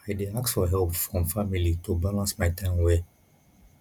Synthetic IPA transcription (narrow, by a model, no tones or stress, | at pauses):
aɪdeaksfɔɦɛlpfɹɔ̃mfamilitubalãnsmaɪtãɪ̃mwɛ